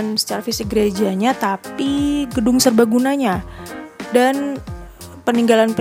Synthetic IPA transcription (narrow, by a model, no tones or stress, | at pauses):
nsə̥t͡ʃaɾafisɪk̚ɡəɾed͡ʒaɲat̪apiɡədʊŋsərbaɡunaɲa | dan | pəniŋɡalanp